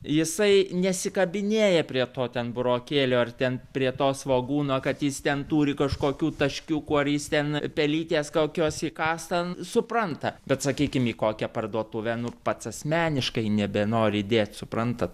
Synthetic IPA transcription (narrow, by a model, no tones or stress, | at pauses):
jɪsɐɪnʲɛsʲɪkɐbʲɪnʲeːjɛpʲɾʲiɛt̪oːt̪ʲɛnbʊɾoːkʲeːlʲoːɐrt̪ʲɛnpʲɾʲiɛt̪oːsʋoːɡuːnoːkɐt̪jɪst̪ʲɛnt̪uːɾʲɪkɐʃkoːkʲuːt̪ɐʃʲkʲuːkuːɐrjɪst̪ʲɛnpʲɛlʲiːt̪ʲeːskoːkʲoːsikɑːst̪ɐsʊprɐnt̪ɐbʲɛt̪sɐkʲiːkʲɪmiːkoːkʲɛpɐrd̪uɔt̪uʋʲɛnʊpɐt̪sɐsʲmʲæːnʲɪʃkɐɪnʲɛbʲɛnoːɾʲɪd̪ʲeːt̪sʊpɾrɐnt̪ɐt̪